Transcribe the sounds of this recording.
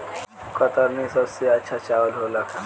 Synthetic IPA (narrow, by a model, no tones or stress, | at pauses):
kət̪əɾnisəbseətːt͡ʃʰat͡ʃaʋəlɦola